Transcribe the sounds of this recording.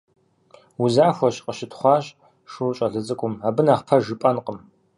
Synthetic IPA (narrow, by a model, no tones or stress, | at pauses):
uzaːxʷɔɕqəʃɪtʰχʷɑːɕ | ʂuɕʼɐɮɨzʼɨkʷʼʊmaːbɨnaːχpʰɐʒɨpʼɐnqəm